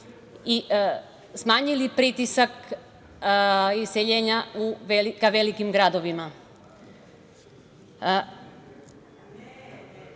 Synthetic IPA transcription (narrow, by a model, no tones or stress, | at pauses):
i | smaːɲilipɾit̪isak | iseʎeːɲauʋelikaʋelikimɡɾad̪o̞ʋima